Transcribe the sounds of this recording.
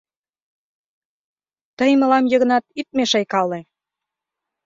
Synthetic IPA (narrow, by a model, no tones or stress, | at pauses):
t̪əjmə̆lɑmjə̆ɣə̆nɑt̪it̪̚meʃɑjkɑle